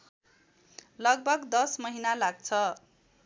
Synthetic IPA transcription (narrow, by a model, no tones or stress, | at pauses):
lʌɡ̚bʱʌɡd̪ʌsmʌɦinalaɡ̚t͡sʰʌ